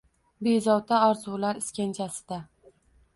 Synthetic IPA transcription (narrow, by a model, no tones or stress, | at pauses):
be̞zɒwt̪ʰaɒɾzulaɾɪskʲant͡ʃʰasɪ̥d̪a